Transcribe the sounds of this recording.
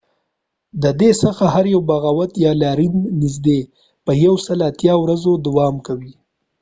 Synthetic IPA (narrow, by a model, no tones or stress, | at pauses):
d̪əd̪esəxahaɾjawbaɣɑwat̪jɑlɑɾinːizd̪e | pəjawsəlat̪jɑwɾazod̪awɑmkawi